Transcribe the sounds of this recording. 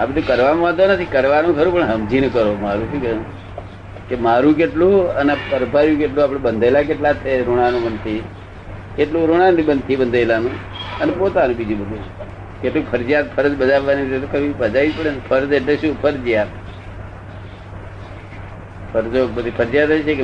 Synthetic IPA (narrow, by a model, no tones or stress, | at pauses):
abəd̪ʱukəɾʋamãd̪onət̪ʰikəɾʋanũkʰəɾũpəɳɦəmd͡ʒinəkəɾomaɾũt͡ʃʰukə̃ | kemaɾũk̬eʈlũənepəɾbʱaɾjũk̬eʈlũapɽ̃ebənd̪ʱelakeʈlat̪ʰeɾoɽ̃anũbənt̪ʰi | keʈlũɾoɽ̃anĩbənt̪ʰibənd̪ʱajlanũ | ənepot̪anũbid͡ʒũbəd̪u | keʈlũkpʰəɾd͡ʒijat̪pʰəɾəd͡ʒbəd͡ʒaʋaniɾet̪okʰəɾibəd͡ʒaʋid͡ʒpəɳenpʰəɾd͡ʒeʈleʃũpʰəɾd͡ʒijat̪ | pʰəɾd͡ʒobəd̪ʱipʰəɾd͡ʒijat̪əjt͡ʃʰeke